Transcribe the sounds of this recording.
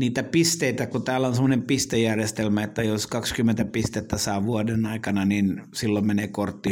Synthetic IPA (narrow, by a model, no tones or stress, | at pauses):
niːt̪æpist̪eit̪ækut̪æːlːæonsemːonempist̪ejærjest̪elmæet̪ːæjoskɑkskymːent̪æpist̪et̪ːæsɑːʋuɑdenɑikɑnɑninsilːommeneːkort̪ːi